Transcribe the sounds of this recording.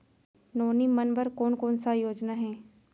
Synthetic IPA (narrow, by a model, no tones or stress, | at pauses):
noːnimɐnbəɾkoːnkoːnsajoːd͡ʒnaɦɛː